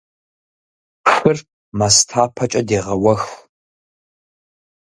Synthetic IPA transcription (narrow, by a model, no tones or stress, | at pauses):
ɕʷɨr | mɐstʰaːpʰɐt͡ʃʼɐdeːʁɐwɐx